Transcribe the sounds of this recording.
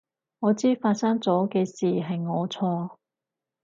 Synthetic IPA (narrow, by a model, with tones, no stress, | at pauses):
ŋɔː˨˧t͡siː˥faː˧t̚sɐ˥ŋt͡sɔː˨˥kɛː˧siː˨˩ɦɐ˨jŋɔː˨˧t͡sʰɔː˧